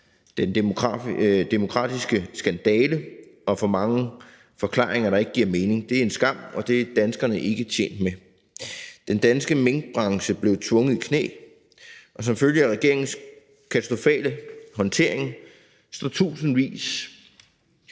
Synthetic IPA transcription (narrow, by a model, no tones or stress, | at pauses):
d̥enʰ | d̥e̝mo̝kʰʁɑ̰̈ːd̥isɡ̥əsɡ̥ænd̥ɛːləʔɒ̽fɒ̽mɑ̈ŋə | fɒ̽kʰlɑ̰̈ːʁeŋɐɾɑ̈e̝ɡ̥əɡ̥iɐ̰me̝ːne̝ŋd̥e̝æɐe̝nsɡ̥ɑ̈m̰ɒ̽d̥e̝æd̥ænsɡ̥ɐnəʔe̝ɡ̥ət͡ɕʰjḛːnd̥me | d̥end̥ænsɡ̥əmeŋɡ̥̚b̥ʁɑ̈ŋɕəb̥le̝ʊt͡sʰʋɔ̽ŋəðˠikʰne̝̰ː | ʔɒ̽s̬ɒ̽mføljəæʁɛɡ̥e̝ɐ̰eŋn̩s | kʰæt͡sʰæ̥sd̥ʁo̝fɛ̰ːləɦɒ̽nt͡sʰe̝ɐ̰e̝ŋ | sd̥ɒt͡sʰṵːsn̩ʋḭːs